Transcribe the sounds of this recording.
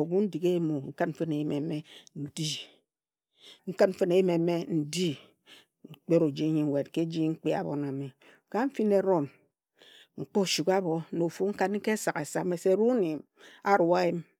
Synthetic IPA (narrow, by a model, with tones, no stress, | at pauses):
o˨ɡu˦n̩˦di˨ke˦mo˨ŋ̩˦ka˦m̩˦fɨ˦ne˨ji˦me˨me˦n̩˦di˦ | ŋ̩˦ka˦t̚m̩˦fɨ˦ne˨ji˦me˨˦me˦n̩˦di˦ | ŋ̩˨k͡pe˦ɾo˨d͡ʒi˦ɲi˨ŋ˨we˨t̚ke˦d͡ʒi˦ŋ̩˦k͡pe˦a̰˨bo̰˨na˨mi˨ | ka˦m̩˦fi˦ne˨ɾo˦n | ŋ͡m̩˨k͡po˦˨ʃu˨ka˦bo˨˦no˨fu˦ŋ̩˦ka˦nŋ̩˦ke˦sa˨ke˨sa˦me˨se˦˨ɾu˦ni˨m | a˦˨ɾwa˦i˦m